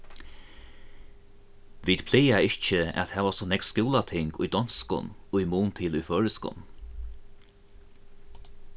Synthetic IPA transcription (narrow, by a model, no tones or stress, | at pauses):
ʋiːd̪̥pʰlɛːjaɪt͡ʃəæ̰t̪hɛːʋasɔnɛkskuːlat̪ʰɪŋkʊ̰jd̪ɔnskʊ̰nʊjmuːnt̪ʰɪlʊjføːɹɪskʊ̰n